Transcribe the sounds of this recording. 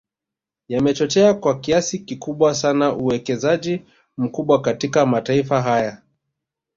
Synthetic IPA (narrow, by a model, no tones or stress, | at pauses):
jamɛt͡ʃɔt͡ʃɛakwakiasikikuɓwasanaʔuwɛkɛzaʄi | m̩kuɓwakatikamataifaɦaja